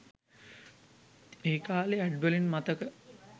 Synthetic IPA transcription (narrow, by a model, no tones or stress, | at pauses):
eːkaːleæɖbəlinmat̪əkə